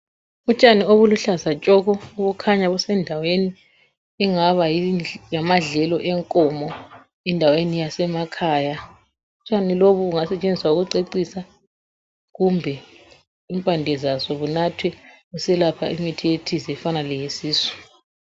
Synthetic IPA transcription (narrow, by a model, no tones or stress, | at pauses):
ut͡ʃʼanioβuluɬazat͡ʃʼɔɣɔuβukʰaɲaβusɛndʱaweni | ɛŋaβajijamaɮɛlɔʔɛŋkʼɔmɔ | ɛndʱawenijasɛmakʰaja | ut͡ʃʼaniloβuβuŋasɛt͡ʃʼend͡zʱiswauɣuǀeǀisa | ɣumbʱɛ | impʼandʱɛzazɔβunatʰwɛɣusɛlapʰaimitʰijetʰizɛfanalɛjesiːsu̥